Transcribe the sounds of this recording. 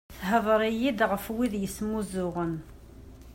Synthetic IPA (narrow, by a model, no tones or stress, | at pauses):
θɦəðˤəɾˤijid̪ʁəfwiðjəsmuzʊʁən